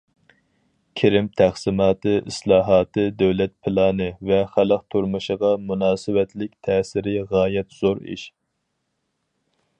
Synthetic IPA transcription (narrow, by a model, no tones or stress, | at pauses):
kʲʰiɾɪmt̪ʰæχsɪmɑːt̪ʰɨʔislˠɑːɦɑːt̪ʰɨd̪øwlɛt̪̚pʰɪlˠɑːnɨvɛχælˠəqt̪ʰuɾmuʃəʁɑmunɑːsɨwɛt̪ʰlɪk̚ʲt̪ʰɛːsɪɾɪʁɑːjɛt̪z̥oɾḭʃ